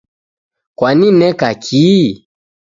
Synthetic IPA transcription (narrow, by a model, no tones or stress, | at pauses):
kwaninɛkakʰiː